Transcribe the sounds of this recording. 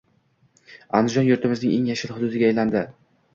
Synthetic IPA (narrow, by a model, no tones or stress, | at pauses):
a̰nd̪ɪd͡ʒɒnjʊɾt̪ʰɪmɪznɪŋʔeŋjaʃɪlhʊd̪ʊd̪ɪɡʲaːjland̪ɪ